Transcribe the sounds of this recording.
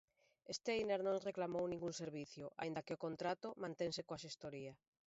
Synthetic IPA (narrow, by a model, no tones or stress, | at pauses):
est̪eejneɾnõŋreklamownĩŋɡuŋseɾβ̞iθjoʔa̰ĩnd̪akeokont̪ɾat̪omãnt̪eŋsekoasest̪oɾia